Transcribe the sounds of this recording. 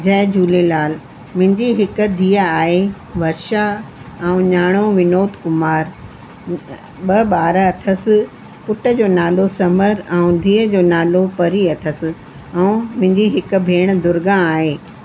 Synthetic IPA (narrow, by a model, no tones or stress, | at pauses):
d͡ʑɐɦɪd͡ʑʱuːlelaːl | mʊ̃ɦɪ̃ɲd͡ʑiɦɪkʊ̆d̪ʱiːəaːɦe | ʋɐɾʃa | ɛ̃ũɲaːɽ̃oʋɪnoːt̪kʊmaːɾ | ɓɐɓaːɾɐt̪ʰəsɪ̆ | pʊʈə̆d͡ʑoːnaːlosɐməɾɛ̃ũd̪ʱiːəd͡ʑoːnaːlopɐɾiɐt̪ʰəsɪ̆ | ɛ̃ũmʊ̃ɦɪ̃ɲd͡ʑiɦɪkʊ̆bʱeːɽ̃d̪ʊɾɡãaːɦeː